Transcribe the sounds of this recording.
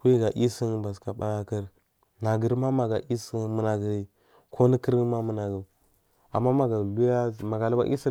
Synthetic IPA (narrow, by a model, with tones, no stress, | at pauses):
kʷu˦i˦ɡa˨ʔi˦si˦nba˨ska˨ɓa̰˦ja˦kə˦ɾ | na˨ɡə˨ɾma˦ma˨ɡa˨ʔi˦si˦mə˨na˨ɡi˨ɾi˨ | kʰo˦ni˦ki˦ɾma˦mə˦na˨ɡə˨ | a̰˨mːa˦ma˨ɡa˨lu˦ja˦ma˨ɡa˨lu˦ba̰˦ʔi˦si˦